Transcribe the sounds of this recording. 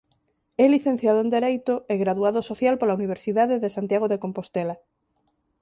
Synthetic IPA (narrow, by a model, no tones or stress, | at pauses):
ɛliθẽn̟θjaðoẽnd̪eɾejt̪oeɣɾaðuaðosoθjalpolauniβ̞eɾsiðaðeðesant̪jaɣ̞oðekompost̪ela